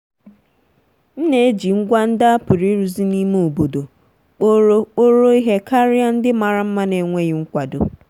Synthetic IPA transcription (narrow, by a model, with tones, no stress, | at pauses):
n̩˦ne˨e˦d͡ʒi˨ŋ̩˦ɡʷa˦n̩˦da˦a˦pʊ˨ɾi˦ɾu˨zi˦ni˦mu˦o˨bo˨do˨ | k͡po˦ɾo˦k͡po˦ɾo˦i˦ɦe˦ka˦ɾɪ˦a˦n̩˦dɪ˦ma˨ɾa˦m̩˦ma˦ne˨ŋʷe˦ɣɪ˦ŋ̩˦kʷa˨do˨